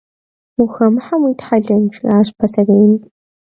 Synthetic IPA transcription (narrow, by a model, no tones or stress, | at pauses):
muxɐmħamitħaɮɐnʈ͡ʂʰʼaːɕpʰɐsɐren